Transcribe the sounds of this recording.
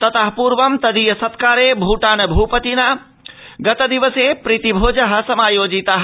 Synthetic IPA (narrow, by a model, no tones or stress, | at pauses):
t̪ɐt̪əɦpuɾʋɐmt̪ɐd̪ijɐsɐt̪kaːɾebʱuʈaːnɐbʱupət̪ina | ɡɐt̪ɐd̪iʋəsepɾit̪ibʱoːd͡ʒəɦɐ̆sɐmaːjoːd͡ʒit̪aɦ